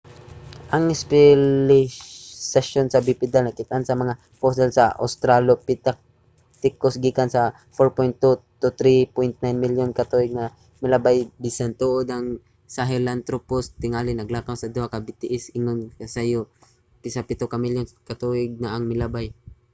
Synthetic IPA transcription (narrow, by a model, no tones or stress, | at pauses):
ʔɐŋɪspɛlɪsaʃonsɐbipɪd̪alnɐkɪt̪aʔansɐmɐŋa | fos̬ɛlsɐ̰ʔo̰st̪ɾalopɪt̪ak̚ | t̪ɪkosɡikansɐ | foɹpojnt̪ːut̪ʊt̪ɾipojnt̪̚najnmɪljonkɐt̪uʔɪɡ̚nɐ | mɪlabajbisant̪oʔod̪ɐŋ | saɦɛlant̪ɾopost̪ɪŋaːlɪnɐɡlaːkawsɐd̪ʊhakabɪt̪ɪʔɪsɪŋonkasajo | pɪsapɪt̪okɐmiljonkɐt̪uɪɡ̚naɐŋmɪlabaj